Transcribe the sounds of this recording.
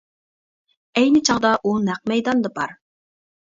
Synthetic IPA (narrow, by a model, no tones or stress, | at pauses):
ɛjnɪt͡ʃʰɑʁd̪ɑʔunæq̚mɛjd̪ɑnd̪ɑbɑɾ